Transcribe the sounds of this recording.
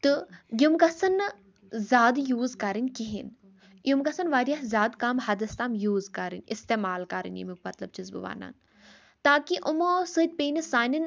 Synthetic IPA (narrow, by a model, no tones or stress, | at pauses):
t̪ɨjumkɐsɐn | zʲaːd̪juːzkɐɾɨnʲkiɦḭn | jumkɐsɐnʋaːɾʲjɐɦzʲaːd̪kaːmɦɐd̪ɐst̪aːmjuːzkɐɾɨ̰nʲist̪eːmaːlkɐɾɨ̰nʲjḭmikmɐt̪lɐb̚t͡ʃizbɨ̰ʋa̰ːna̰ːn | t̪aːkiʔʊmoːsɨt̪̚ʲpeːnisaːnɐn